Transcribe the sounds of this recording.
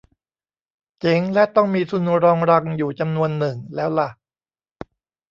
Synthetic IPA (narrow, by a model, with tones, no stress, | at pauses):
t͡ɕe˨˩˦ŋlɛ˦˥t̪ɔ˥˩ŋmiː˧sʰu˧nu˧ɾɔː˧ŋɾa˧ŋjuː˨˩t͡ɕa˧mnu˧ənːɯ˨˩ŋlɛː˦˥wla˨˩ʔ